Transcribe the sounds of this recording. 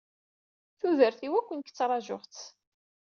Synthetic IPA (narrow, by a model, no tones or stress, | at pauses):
θuðəɾθiwækʷːənkt͡sːɾˤɑʒʊʁt͡s